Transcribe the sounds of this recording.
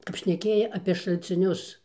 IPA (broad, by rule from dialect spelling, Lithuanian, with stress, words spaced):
kɐp ʃʲnʲɛˈkʲeːjɛ ɐpʲeː ʃɐlʲt͡sʲɪˈnʲʊs